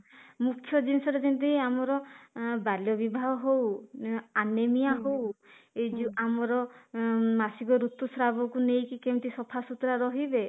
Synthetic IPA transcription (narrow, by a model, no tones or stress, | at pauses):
mukʰːjɔd͡ʒinisɔɾed͡ʒint̪̬iiamɔɾɔbaljɔbibʱaɦɔɦow | anemijaɦowed͡ʒuamɔɾɔ | masiɡɔɾut̪ːusɾabɔkunejkikemt̪isɔpʰasut̪ɾaɾɔɦibe